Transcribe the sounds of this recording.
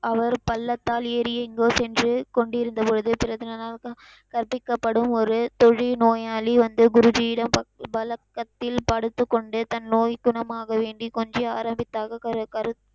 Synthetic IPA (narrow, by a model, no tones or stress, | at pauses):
ɐʋɐɾpɐlːɐt̪ːaːleːɾɪjɛŋɡoːsɛndrɯkɔɳɖɪɾɯnd̪ɐpɔɻɯðɯpɪɾɐðɯnɐnaːl | kɐɾpːɪkːɐpːɐɽɯmɔɾɯt̪ɔɻinoːjaːliʋɐnd̪ɯɡʊɾʊd͡ʒɪjɪɽɐmpɐbɐlɐkːɐt̪ːɪlpɐɽɯt̪ːɯkːɔɳɖɯt̪ɐnnoːjɡʊɳɐmaːɣɐʋeːɳɖikɔɲd͡ʒɯaːɾɐmbɪt̪ːaːɣɐɐkɐɾɯ